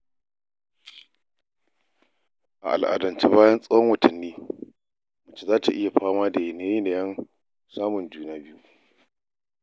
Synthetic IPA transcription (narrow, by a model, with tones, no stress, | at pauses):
ʔa̰˨ʔa̰˨lʔa̰˨dɐ˨nt͡ʃi˦baː˦jɐ˦nsʼɐ˦wɐ˦ŋwɐ˨tʰɐ˨nːiː˦ | mʊ˨t͡ʃi˦zaː˦ta˨ʔɪ˦ja˨ɸaː˦maː˦da˨jɪ˨neː˦jiː˦ne˨jɐ˦n | saː˦mʊ˨nd͡ʒuː˦naː˦bɪ˦ju˦ʔ